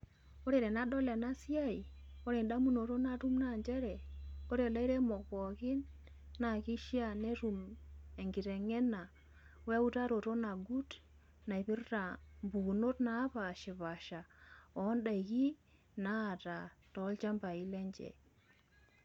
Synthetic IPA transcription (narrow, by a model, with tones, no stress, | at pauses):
ko˦ɾe˨ɾɛ˨na˦ɗɔ˦le˨na˦si˦a˦i˨ | o˦ɾi˨nda˦mu˦no˨to˦na˦ɾu˦mna˨ɲd͡ʒɛ˦ɾɛ˨ko˦ɾe˨la˦i˦ɾe˦mɔ˨kɔ˨kɪ˦nː | a˨ki˦ʃi˦a˦˨ne˦ɾu˨me˨ŋɡi˨ɾe˨ŋɛ˦na˨ | we˦u˦ta˦ɾo˨to˦na˨ɡu˦t | na˨i˨pi˦ɾta˨mbu˨u˨no˦tna˨˦pa˨ʃɪ˨βa˨ʃa˨ɔ˨˦nda˨i˨ki˦ | naː˦˨ta˨tɔ˨˦lt͡ʃa˦mba˨i˦lɛ˦ɲd͡ʒɛ̰˨